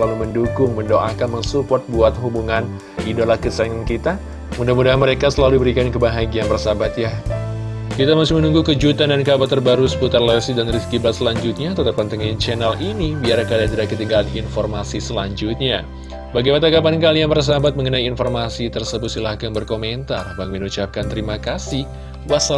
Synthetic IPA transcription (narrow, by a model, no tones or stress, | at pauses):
səlaluməndukʊŋməndoʔakanməŋsupɔrt̪̚buat̪̚ɦubuŋan | idolakəsaŋənkit̪a | mudahmudaɦanməɾekasəlaludibəɾikankəbaɦaɡianbərsabat̪ja | kit̪amasɪhmənuŋɡukəd͡ʒut̪andankabat̪ːərbaɾusə̥put̪arlɛsidanriskibat̪̚səlaɲd͡ʒut̪̚ɲat̪ət̪ap̚ant̪əŋant͡ʃɛnalinibiaɾkaliant̪ədakət̪iŋɡalanḭnformasisəlaɲd͡ʒut̪̚ɲa̰ | baɡipat̪akabankalianpərs̬abat̪̚məŋənaiinformasit̪ərsəbʊt̪silahɡaŋbərkoment̪a̰rbaŋminut͡ʃap̚kant̪əɾimakasih | basa